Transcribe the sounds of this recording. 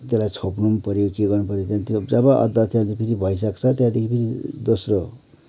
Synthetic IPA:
t̪elajt͡sʰopnumpʌɾjokeɡʌrnupʌɾjot̪jãt̪d͡zʌbʌʔʌ̰d̪ʌt̪jãd̪ipʰiɾibʱʌjs̬ʌkt͡sʰʌt̪jãd̪ikʰipʰiɾid̪osro

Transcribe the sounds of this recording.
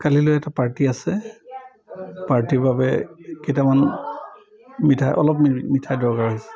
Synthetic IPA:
kalilojɛtapaɹtiasɛ | paɹtiɹbabɛ̰kejtaman | mitʰajʔɔ̰lɔpmmitʰajdɔɹkaɹɦojsɛ̥

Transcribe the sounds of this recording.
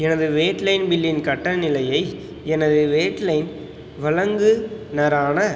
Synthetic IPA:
ɛnɐðɯʋeːʈlɐɪnbɪlːɪnkɐʈːɐnɪlɐjɐɪ | ɛnɐðɯʋeːʈlɐɪn | ʋɐɭɐŋɡɯnɐɾaːnɐ

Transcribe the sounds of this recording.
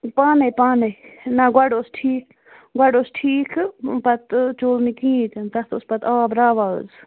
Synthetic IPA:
paːnepaːnenɐɡwɐɖoːsʈʰiːk | ɡɐɖoːsʈʰiːkpɐt̪t͡ʃoːlnikĩːt̪ɨnt̪ɐst̪ʊspɐt̪aːbɾaːʋa̰ːz

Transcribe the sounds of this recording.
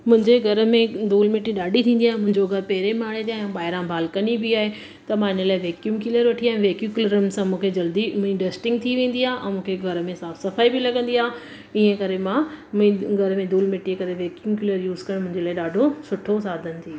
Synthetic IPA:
mʊ̃ɦɪ̃ɲd͡ʑeɡʱɐɾmẽd̪uːlmɪʈːĩɗaːɖʱit̪ʰĩːnd̪iaːɦẽmʊ̃ɦɪ̃ɲd͡ʑoɡʱɐɾpɛɦɾemaːɽẽd̪iaɦɓaːɦɪɾãbʱaːlkɐnibɪaːɦe | t̪ɐmãɪnəlaːɪʋeːkjumkɪləɾʋɐʈʰiaːɦɪ̃ʋeːkjukləɾʊnsãmũːkʰed͡ʑɐld̪imiɖeːsʈɪ̃ŋɡt̪ʰiʋẽːn̆d̪iaːʔɛ̰̃ːmũːkʰeɡʱɐɾmẽsaːfsɐfaːibɪlɐɡə̃nd̪iaː | iːə̃kɐɾemãmĩɡʱɐɾmẽd̪uːlmɪʈikɐɾeʋeːkjumkjɪləɾjuːzkɐ̃mʊ̃ɦɪ̃ɲd͡ʑelaːɪɗaːɖʱosʊʈʰos̬aːd̪ʱənɪ̆t̪ʰiː

